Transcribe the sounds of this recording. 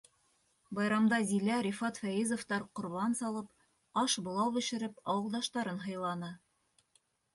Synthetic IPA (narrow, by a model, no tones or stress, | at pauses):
bɑjɾɑmd̪ɑzilæɾʲifɑt̪fæjizŏft̪ɑɾqŏɾβɑnsɑlˠɤp | ɑʃbŏlˠɑwbɘ̆ʃɘ̆ɾɘpɑwɤ̆lˠd̪ɑʃt̪ɑɾɤnɦɤ̆jlˠɑnɤ